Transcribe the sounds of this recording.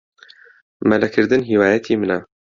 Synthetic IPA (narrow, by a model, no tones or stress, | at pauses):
mælækʰɨɾd̪ɨnɦiːwaːjɛt̪ʰiːmɨnɛ